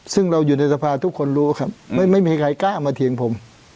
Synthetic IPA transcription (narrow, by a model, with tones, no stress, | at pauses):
sɯ˥˩ŋɾa˧wjuː˨˩na˧jsa˧pʰaː˧t̪ʰu˦˥kʰːo˧nɾuː˦˥˨kʰa˦˥˩p̚ma˥˩jma˥˩jmiː˧kʰa˨˧˦jkaː˥˩maː˧t̪ʰi˨˩˦əŋpʰo˩˦m